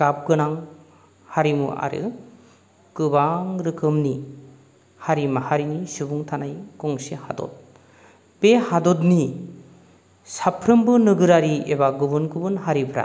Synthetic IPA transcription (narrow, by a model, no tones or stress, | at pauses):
kap̚ɡɯnaŋ | haɾimṵʔa̰ɾɯ̰ | kɯbaŋɾɯkɯmni | haɾimahaɾinisubuŋtʰanajkɔŋseha̰dɔ̰t̚ | pehadɔtni | sapʰɾɯmbɯnɯɡɯɾaɾieβaɡɯbɯnkɯbɯnɦaɾibʰɯɾa̰